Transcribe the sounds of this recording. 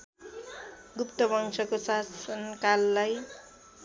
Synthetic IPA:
ɡupt̪ʌbʌŋsʌkosasʌnkalːaj

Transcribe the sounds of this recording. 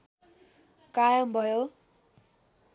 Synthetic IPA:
kajʌmbʱʌjo

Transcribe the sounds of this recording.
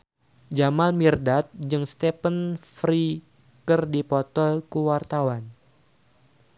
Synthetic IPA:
d͡ʒamalmirdat̪̚d͡ʒɨŋst̪ɛpənfɾi | kɨrdipɔt̪ɔlkuwart̪awan

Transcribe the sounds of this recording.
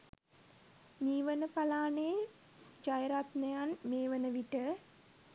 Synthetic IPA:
miːʋənəpalaːneː | d͡ʒajɾat̪nəjanmeːʋənəʋiʈə

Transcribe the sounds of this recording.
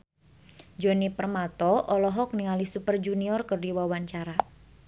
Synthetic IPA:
d͡ʒonipərmat̪ɔʔɔlɔɦɔk̚niŋalisupərd͡ʒuniɔrkərdiwawaɲt͡ʃaɾa

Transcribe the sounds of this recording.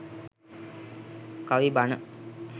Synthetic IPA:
kaʋibanə

